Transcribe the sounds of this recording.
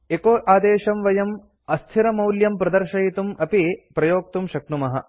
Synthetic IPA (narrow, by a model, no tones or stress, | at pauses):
ekoːʔaːd̪eːʃɐmʋɐjɐm | ɐst̪ʰiɾɐmɐwljɐmpɾɐd̪ɐɾʃɐjit̪umɐpipɾɐjoːk̚t̪umʃɐknumɐɦɐ̰